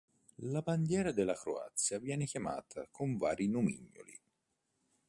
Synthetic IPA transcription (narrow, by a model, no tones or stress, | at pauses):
laband̪jɛːɾad̪elːakɾo̰a̰t̪sːjavjɛːnekjama̰ːt̪ʰa̰kʰoɱva̰ːɾinomḭɲːo̰lḭ